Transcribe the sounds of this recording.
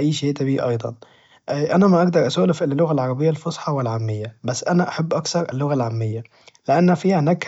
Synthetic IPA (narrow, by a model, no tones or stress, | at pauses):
ʔæjːʃeːʔt̪æbiːʔɑjd̪ˤɑ̰n | ʔʔænæmaʔɑɡd̪ɑɾˤʔasoːlɪfʔɪlːlːʊɣalʕɑɾˤɑbɪjːalfosˤħɑwɪlʕamːɪjːabæsːʔænæʔaħabːʔɑkθɑɾˤʔɪ̰lːʊɣalʕamːɪjːa | lɪʔanːfiːhænæk